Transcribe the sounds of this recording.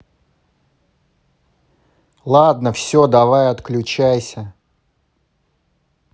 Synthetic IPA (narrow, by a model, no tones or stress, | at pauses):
lˠad̪nəfsʲod̪ɐvajɐt̪klʲʉt͡ɕæjsʲə